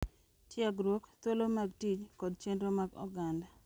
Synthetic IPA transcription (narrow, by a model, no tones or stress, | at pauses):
tjaɡɾokt̪wolomaɡtit͡ʃkɔd̚t͡ʃendɾomaɡɔ̰ɡanda